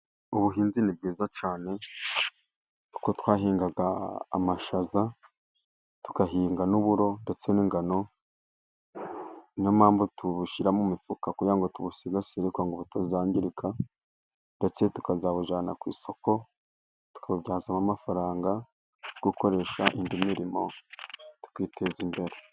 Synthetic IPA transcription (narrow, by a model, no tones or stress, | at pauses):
uβuɦiːnzinib̚ɡiːzat͡ʃaːne̞ | ukotwaːɦiːŋɡaɡa̰ːmaʃaza | tu̥kaɦiːŋɡanuβuɾo̞nde̞t͡seniːŋɡano̞ | nomaːmbotuβuʃiɾamumifukakujaŋɡotuβusizasiɾekwaŋɡoβotazaːɲɟiɾikʰa | nde̞t͡se̞tu̥kazaβuʒaːna̰kwḭːso̞ko̞ | tu̥kʰaβubɟaːzamamafaɾaːŋɡa | ɡ̥uko̞ɾe̞ʃaʔindimiɾimo̞ | tu̥kwiːtʰe̞zimbe̞ɾe̞